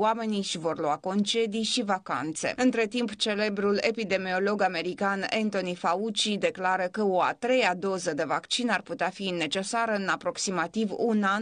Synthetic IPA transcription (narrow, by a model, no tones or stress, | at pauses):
ame̞nijʃivo̞rluako̞nt͡ʃe̞d̪ijʃivaka̰nt̪se̞̰ɨnt̪ɾe̞t̪impt͡ʃe̞le̞bɾule̞̰pid̪e̞mio̞lo̞ɡame̞ɾikanent̪o̞nifaut͡ʃid̪e̞klaɾəkəoa̰t̪ɾe̞jad̪o̞zəd̪e̞vakt͡ʃinarput̪eafine̞t͡ʃe̞saɾəɨnapɾo̞ksimat̪ivunan